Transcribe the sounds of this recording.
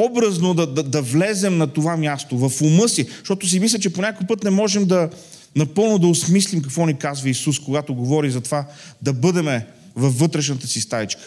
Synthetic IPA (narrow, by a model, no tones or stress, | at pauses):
ɔbɾəznod̪ɐd̪ɐd̪ɐvlɛzɛmnɐt̪ovamjast̪ovɐfʊmɤsiʃt̪ɔt̪ʊs̬imis̬lʲət͡ʃɛponʲakojpɤt̪nɛmɔʒɛmd̪ɐ | nɐpɤlˠnʊd̪ɐʊsmislimk̬ɐkvɔnikazvəisuskoɡat̪oɡovɔɾizɐt̪ovad̪ɐbɤd̪ɛmɛ | vɐfːɤt̪ɾɛʃnət̪əsist̪avit͡ʃkə̥